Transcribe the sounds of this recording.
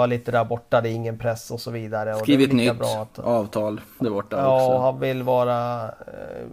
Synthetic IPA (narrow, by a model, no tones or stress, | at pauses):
aɭiːt̪əd̪æːɾbɔʈːad̪ɛɪŋːənpʰɾɛsːɔsɔviːd̪aɾəɔd̪ɛːvɪlnʏːabɾɑːat̪ɑːvt̪ʰɑːld̪æɾbɔʈːaɑːɔɔɦanvɪlːvɑːɾa